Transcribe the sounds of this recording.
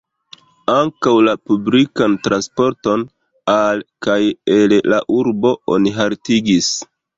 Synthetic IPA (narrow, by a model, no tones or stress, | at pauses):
aŋkawlapublikantɾanspo̞ɾto̞n | alkajellaʔuɾbo̞o̰niɦaɾtiɡis